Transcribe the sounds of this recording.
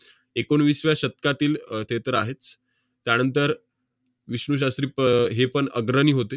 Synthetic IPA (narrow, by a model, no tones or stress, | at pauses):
ekoɳʋiːsʋjaɕət̪̚kat̪iːlt̪et̪əɾaɦet͡s | t̪jañənt̪əɾ | ʋiɕɳuɕ̬ast̪ɾiːɦepəɳəɡɾəniːɦot̪e